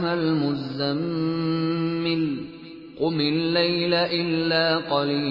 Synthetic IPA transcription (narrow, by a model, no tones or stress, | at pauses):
ɦalmʊzam | ɪl | qʊmɪlːajlaʔɪlːaːqɑliː